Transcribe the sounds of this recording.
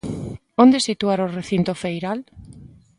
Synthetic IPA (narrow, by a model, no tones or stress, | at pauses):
ond̪esit̪uaɾoreθint̪ofejɾal